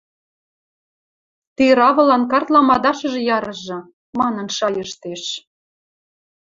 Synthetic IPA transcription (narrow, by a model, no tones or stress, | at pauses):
t̪eɾɑβɤ̆lɑnkɑrt̪lɑmɑd̪ɑʃɤ̆ʒĕjɑɾɤ̆ʒɤ̆ | mɑnə̆nʃɑjəʃt̪eʃ